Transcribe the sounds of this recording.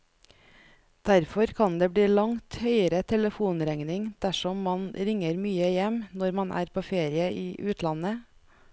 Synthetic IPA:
d̪̥æɾfɔɾkʰɑnd̪eːbɽiːlɑŋt̪hœʏəɾət̪ʰɛləfuːnɾɛŋnɪŋd̪̥æʃɔmːɑnɾɪŋəɾmyːəjɛmnɔɾmɑnʔæ̰ːɾpʰoːfeːɾɪəʔiːʔʉːt̪ʰlɑnə

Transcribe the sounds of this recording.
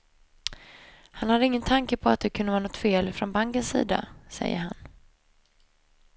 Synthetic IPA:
hanhad̪ːəɪŋːənt̪ʰaŋkəpʰɔat̪̚d̪ɛkʰɵnd̪əvɑːnɔt̪ːfeːlfɾɔnbaŋkənsḭːd̪a̰sɛ̰jːə̰han

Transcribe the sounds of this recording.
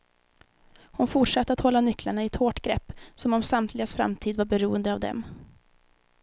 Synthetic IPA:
hʊnfʊʈʂat̪ːəat̪hɔlːanʏklaɳaɪɛt̪hoːʈɡɾɛpːsɔmɔmsamt̪ʰlɪɡasfɾa̰mt̪ʰiːd̪vaɾbɛɾuːənd̪əavd̪ɛ̰m

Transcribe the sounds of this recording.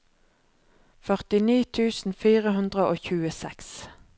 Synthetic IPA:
fœʁt̪ɪniːt̪ʰʉːsn̩fiːʁəhʉnd̪ʁəʔoːçʉːəsɛks

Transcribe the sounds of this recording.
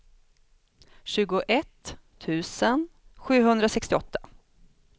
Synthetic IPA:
ɕʉ̟ːɡʊʔɛt̪ʰː | ʉ̟ːsənɧʉ̟ːɦɵnd̪ɾasɛkst̪ɪɔt̪ʰːḁ

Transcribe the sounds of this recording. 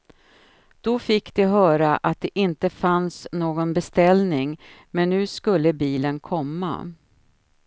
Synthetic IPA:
d̪̥ɔfɪkːd̪ɪɦœːɾaʔat̪̚d̪ɛʔɪnt̪əfansnoːɡɔnbɛst̪ɛlnɪŋmɛnːʉ̟ːskɵlːəbiːlənkʰɔmːa̰

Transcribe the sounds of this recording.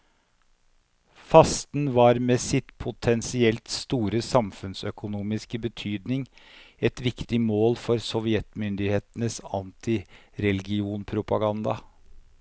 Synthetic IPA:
fɑst̪nʋɑːɾmeːsɪt̪pʰʊt̪ʰɛnsɪɛlt̪st̪uːɾəsɑmfʉnsœkʊnuːmɪskəbət̪ʰyːd̪nɪŋ | ɛt̪ʋɪkt̪ɪmoːlfɔɾsɔʋɪɛt̪mʏnd̪ɪheːt̪ənəsɑnt̪ʰɪɾɛlɡɪuːnpʰɾʊpɑɡɑnd̪ɑ̰

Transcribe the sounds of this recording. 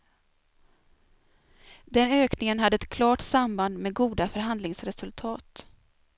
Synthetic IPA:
d̪ɛnøːknɪŋənɦad̪ːəɛt̪kʰlɑːʈsamband̪meɛːɡuːd̪afœɾɦand̪lɪŋsɾɛsɵlt̪ʰɑːt̪

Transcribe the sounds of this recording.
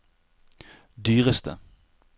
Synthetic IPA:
d̪yːʁəst̪ʰə̰

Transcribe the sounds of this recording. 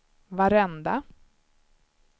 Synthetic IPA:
vaɾɛnd̪a

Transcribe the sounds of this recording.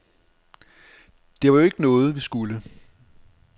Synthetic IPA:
d̥e̝ʋɑ̈joe̝ɡ̥ənɔ̽ːð̞̩ˠʋisɡ̥ulə

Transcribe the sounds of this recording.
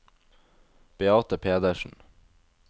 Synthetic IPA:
b̥ɛɑːt̪əpʰeːd̪əʃn̩

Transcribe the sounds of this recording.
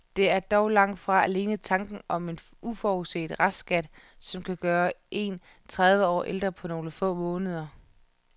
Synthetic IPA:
d̥e̝æɐd̥ɒʊlɑ̈ŋ̰d̥fʁɑ̈æle̝ːnət͡sʰɑ̈ŋɡ̥n̩ʔɒ̽me̝n | ʔufɒuse̝̰d̥ʁasɡ̥æd̥sɒ̽mkʰæɡ̥ɶːɐʔe̝n | t͡sʰʁað̞ˠʋəɒ̰ːʔeld̥ʁɐpʰɒ̽no̝ːləfɔ̰̽ːmɔ̽ːnəð̞ˠɐ

